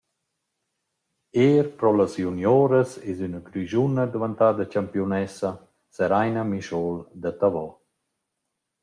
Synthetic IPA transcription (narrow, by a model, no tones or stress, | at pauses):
eːɾpɾɔlasjunjoːɾəsezynəkɾyʒunəd̪əvant̪ad̪at͡ʃampjunɛsa | səɾajnamiʃɔld̪at̪avɔ